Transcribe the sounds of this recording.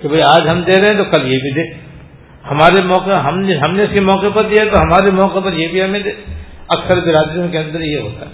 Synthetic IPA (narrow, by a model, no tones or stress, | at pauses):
kebʱɐiaːd͡ʒɦɐmd̪eːɾɐɦɛ̃t̪okɐljebʱid̪eː | hɐmaːɾemɔːqeɦɐmneɦɐmneʊskemɔːqepɐɾd̪ijat̪oɦɐmaːɾemɔːqepɐɾjebʱiɦɐmẽd̪eːɐksəɾbɪɾaːd̪ɾijõkeɐ̃nd̪əɾjeɦo̰ːt̪a